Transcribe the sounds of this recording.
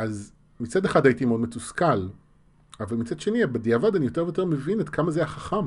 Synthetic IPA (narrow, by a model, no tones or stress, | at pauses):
ʔaz | mit͡sadeχadaitimeo̞dmetuskal | avalmit͡sad̪ʃe̞niabediavadanijo̞te̞vejoteʁmevinetkʰamazejaχaχam